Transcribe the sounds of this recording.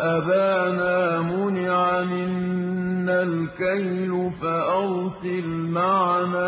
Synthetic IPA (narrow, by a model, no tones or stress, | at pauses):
ʔabaːnaːmʊnɪʕamɪnː | alkajlʊfaʔɑwsˤɪlmaʕnaː